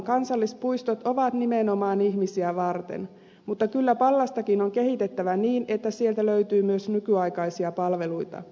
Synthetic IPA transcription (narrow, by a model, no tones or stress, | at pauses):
kɑnsɑlːist̪̚pujst̪ot̪o̞ʋɑt̪nimenomɑːniçmisiæʋɑrt̪ḛn | mut̪ːɑkylːæpɑlːɑst̪ɑkinoŋke̞hit̪e̞t̪ːæʋæniːne̞t̪ːæsielt̪æløyt̪yːmyøsnykyɑjkɑjsiɑpɑlʋe̞lujt̪ɑ̰